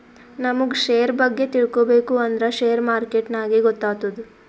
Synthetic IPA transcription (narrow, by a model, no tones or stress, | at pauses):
nɐmuɡʃeːjɾbɐɡːe̞t̪iɭkobeːkuɐnd̪ɾɐʃeːjɐɾmaːɾkeʈnaːɡeɡɔt̪ːaːt̪ɐd̪u